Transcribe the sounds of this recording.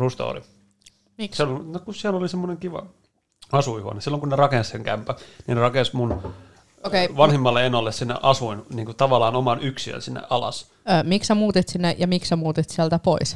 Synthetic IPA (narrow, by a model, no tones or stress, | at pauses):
rust̪o̰ːrḭ | mislnokusiælolisemːoneŋkiʋɑ̰ | ɑsuiho̰nesilːoŋkunnerɑkẽnsseŋkæmpæninerɑkensmun | okeiʋɑnhimːɑlːeenːɑlːessinːḛʔɑsuinniːŋkut̪ɑʋɑlːˑɑːnomɑnyksiø̰nsinːḛʔɑlɑ̰sː | miksæmuːt̪et̪sinːejɑmiksæmuːt̪et̪siælt̪æpois